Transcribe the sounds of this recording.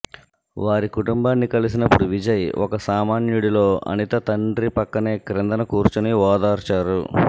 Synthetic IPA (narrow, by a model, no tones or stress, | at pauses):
ʋaːɾikuʈumbaːnːikɐlis̬inɐpːuɽuʋid͡ʒɐjʔɔ̰kɐsaːmaːnjuɽilo̞ːɐ̰nit̪ɐt̪ɐɳɖɾipɐkːɐneːkɾɛnd̪ɐnɐkuːɾt͡ʃuniʋaːd̪aːɾt͡ʃaːɾṵ